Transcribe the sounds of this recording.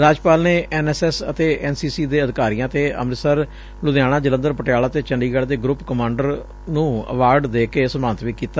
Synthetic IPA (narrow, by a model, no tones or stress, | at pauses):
ɾaːd͡ʒpaːlneːʔɛːnɛsɛːsət̪eːʔɛːnsiːsiːd̪eːəd̪ɪkaːɾiːãːt̪eːə̰mɾsəɾ | lʊd̪jaːɽ̃ãːd͡ʒələ̃nd̪əɾpəʈɪjaːlaːt̪eːt͡ʃəɳɖiːɡəɽd̪eːɡɾʊpkəmãːɳɖəɾ | nũːə̰ʋaːɾɖd̪eːkeːsəmaːnət̪ʋiːkiːt̪aː